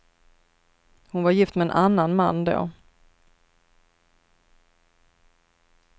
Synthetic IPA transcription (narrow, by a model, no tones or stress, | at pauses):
hʊnvaɾjɪft̪mɛɛnʔanːanmanːd̪o̰ː